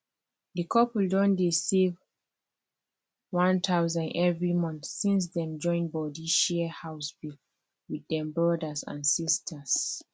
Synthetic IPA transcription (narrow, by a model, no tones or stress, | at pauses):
ðəkʰɔpldɔ̃ndisiv | wãntʰawzãnɛvɹimɔ̃nθsĩns̬dɛ̃md͡ʒɔ̃ɪ̃nbɔdiʃiəhaʊsbil | wiðɛ̃mbɹɔdəsã̰nsistʰəs